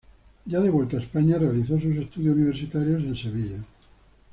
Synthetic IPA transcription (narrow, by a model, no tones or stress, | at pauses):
ɟ͡ʝaðeβwelt̪aespaɲarealiθos̬us̬e̞st̪uðjouniβ̞eɾsit̪aɾjose̞nseβ̞iʎa